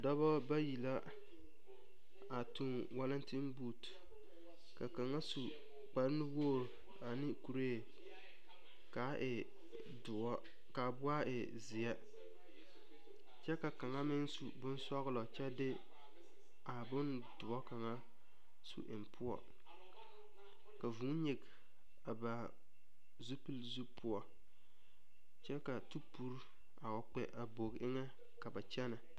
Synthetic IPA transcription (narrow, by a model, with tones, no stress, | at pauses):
dɔ˦bɔ˦ba˦ji˨la˦ | a˨tu˦n | wa˦lɪ˦n˦tɪ˦m˦buː˦t | ka˨ka˨ŋa˦su˨ | k͡pa˨ɾɪ˦nɪ˦woː˦˨ɾ | a˨nɪ˦ku˨ɾe˦˨ | ka˨˦ʔɪ˨ | dʊ˨ɔ˦ | ka˨bʊ˦a˦ɪ˨ | zɪ˨ɛ˦ | t͡ʃɛ˦ka˨ka˨ŋa˦mɪ˦nsṵ˨bʊ˦n˦sɔ˦ɣlɔ˨t͡ʃɛ˦dɪ˦ | a˨bʊ˦n | dʊ˨ɔ˦ka˨ŋa˦ | sṵ˦ʔɪ̰˨mpʰʊ˦ɔ̰˨ | ka˨vu˨˦ɲi˨ɡ | a˨ba˨ | zu˦pɨ˦lzu˦pʊ˦ɔ˦ | t͡ʃɛ˦ka˨tu˦pu˦ɾ | a˨ɔ˨k͡pɛ˨ʔa˨bo˨ɣʔɪ˦ŋɛ˦ | ka˨ba˨t͡ʃɛ˦na˨